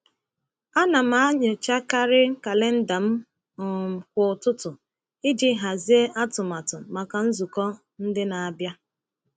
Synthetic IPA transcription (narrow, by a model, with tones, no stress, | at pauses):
a˦na˨ma˨a˦ɲʊ˨t͡ʃa˦ka˦ɾɪ˦ka˨le˦n̩˦da˨m̩˦˨ | k̚ʷʊ˨ʊ˨tʊ˦tʊ˨ | ɪ˦d͡ʒi˦ɦa˨zi˦e˦ʔa˦tʊ˨ma˨tʊ˨ma˨ka˨n̩˦zu˨kɔ˦ | n̩˦dɪ˦na˨a˨bja˦